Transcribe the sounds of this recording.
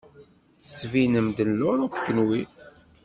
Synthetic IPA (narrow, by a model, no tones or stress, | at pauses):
svinəmd̪ənlʊɾʊpkːənwi